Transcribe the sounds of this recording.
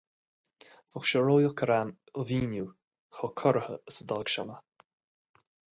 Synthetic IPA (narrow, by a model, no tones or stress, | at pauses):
v̥ʊxʃɔɹoːjʊkʰəɾan | əviːnu | xɔkʰɔɾəhə̰əsəd̪aːɡʃanə